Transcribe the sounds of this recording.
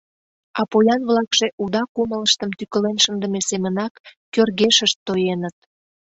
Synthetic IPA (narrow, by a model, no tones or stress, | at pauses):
ɑpojɑnβlɑkʃeʔud̪ɑkumələʃt̪əmt̪ykəlenʃənd̪əmesemənɑkː | ørɣeʃəʃt̪ːojenət̪̚